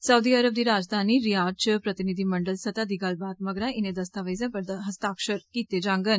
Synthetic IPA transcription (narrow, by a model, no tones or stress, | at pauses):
səwd̪iəɾəb̚d̪iɾad͡ʒd̪ʱaniɾijaɾ̚t͡ʃəpɾət̪inid̪ʱiməɳɖəlsət̪ad̪iɡalbat̪məɡɾaʔined̪əst̪aʋəjzãpəɾd̪əɦəst̪akʂəɾkit̪ed͡ʒãŋɡən